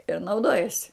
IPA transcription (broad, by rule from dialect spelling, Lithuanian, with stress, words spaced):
ɪr nɐʊˈdoːjɛsʲɪ